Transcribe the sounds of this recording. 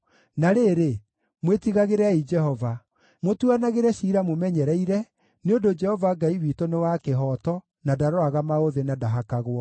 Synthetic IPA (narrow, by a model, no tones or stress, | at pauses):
naɾeɾe | mwetiɣaɣeɾɛaid͡ʒɛhɔva | motuanaɣeɾɛɕiɾamomɛɲɛɾɛiɾɛ | neondod͡ʒɛhɔvaɡaiwitonewakeɦɔtɔ | nadaɾoaɣamaoðenadaɦakaɣwɔ